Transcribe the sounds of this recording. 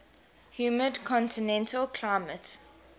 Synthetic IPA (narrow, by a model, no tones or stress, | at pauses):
hjuːmədkʰɔ̃ntinɛ̃ntʰəlˠkʰl̥aɪmət